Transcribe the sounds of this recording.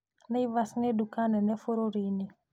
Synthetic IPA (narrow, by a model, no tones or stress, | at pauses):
nɛivasŋɛdukanɛnɛfoɾoɾini